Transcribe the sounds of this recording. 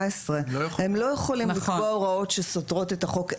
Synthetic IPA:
esʁejhemlo̞jeχolimlikboʁao̞tʃesotʁo̞tetaχo̞k

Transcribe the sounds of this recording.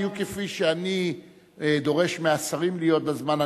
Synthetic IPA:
jukefiʃeani | d̪o̞ʁe̞ʃmeasaʁimlijo̞t̪̚bazmana

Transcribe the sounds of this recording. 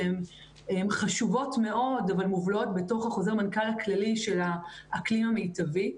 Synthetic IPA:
em | emχaʃuvo̞tme̞ʔo̞davalmuvlotbe̞to̞χhaχo̞ze̞ʁmankalhaklaliʃe̞laːklimamejtavi

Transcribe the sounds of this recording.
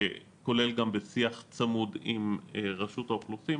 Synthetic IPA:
e | ko̞le̞lɡambesiaχt͡samud̪imʁaʃut̪aoχlusi

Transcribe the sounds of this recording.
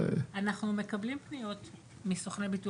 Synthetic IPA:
anaχnume̞kablimpnijo̞t | misoχnebitu

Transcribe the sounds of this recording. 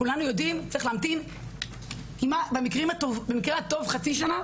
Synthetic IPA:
ulanujo̞dimt͡saiχlamt̪im | imabemikʁimhat̪ovbemikʁehat̪o̞vχat͡siʃana

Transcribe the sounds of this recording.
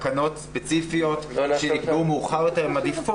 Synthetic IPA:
kano̞tspet͡sifijo̞tʃenikumuːχaʁjoteʁimadifo

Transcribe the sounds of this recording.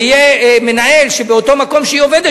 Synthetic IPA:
ijeme̞nae̞lʃebeot̪o̞mako̞mʃeioved̪e

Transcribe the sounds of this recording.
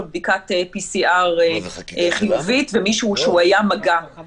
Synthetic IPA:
od̚bikat̪episiʔaʁ | χijuvit̪vemiʃuuʃeuajamaɡa

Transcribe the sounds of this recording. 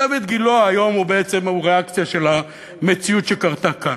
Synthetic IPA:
avit̪ɡiloaːjo̞mubeet͡se̞muʁeakt͡sijaʃe̞la | met͡siut̪ʃekaʁt̪aka

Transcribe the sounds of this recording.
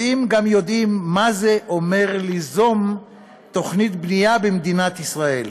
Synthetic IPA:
imɡamjo̞d̪imːazeʔome̞ʁlizom | t̪o̞χnit̪bnijabemd̪inat̪isʁae̞l

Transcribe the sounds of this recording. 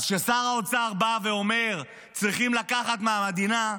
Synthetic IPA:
zʃesaʁaot͡saʁbave̞o̞me̞ʁ | t͡sʁiχimlakaχat̪meamed̪ina

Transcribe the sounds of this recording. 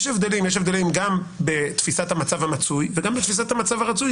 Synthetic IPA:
ʃevd̪e̞limjeʃ̬evd̪elimɡam | be̞t̪fisat̪hamat͡savhamat͡sujveɡambet̪fis̬at̪hamat͡savaʁat͡suj

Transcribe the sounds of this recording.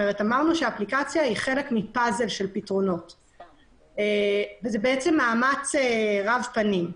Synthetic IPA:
eʁetamaʁnuʃeaːplikat͡sjaiχe̞lekmipaze̞lʃe̞lpitʁo̞no̞t | evezebeet͡se̞mːaːmat͡seʁavpanim

